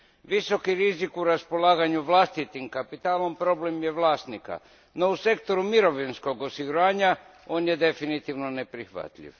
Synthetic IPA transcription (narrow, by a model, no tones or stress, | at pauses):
ʋiso̞kiɾizikuɾaspo̞laːɡaɲuʋlast̪it̪imkapit̪aːlo̞mpɾo̞ble̞mjeʋlaːst̪nika̰ | no̞use̞kt̪o̞ɾumiɾo̞ʋinsko̞ɡo̞siɡuɾaːɲa | o̞ːnjed̪e̞finit̪iʋno̞ne̞pɾixʋa̰t̪ʎḭʋ